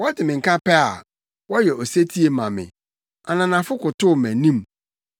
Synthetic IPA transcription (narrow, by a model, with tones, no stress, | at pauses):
wɔ˦dɪ˨mɪ̃˨ŋ̩˨kʰa˦pɛ˦a̰˨ | wɔ˦jɛ˨o˨se˦tʰi˦e˨mã˨mɪ̰̃˨ | a˨nã˨nã˨fʊ˦kʊ˨tʊ˦˨mæ̃˨nĩ˦m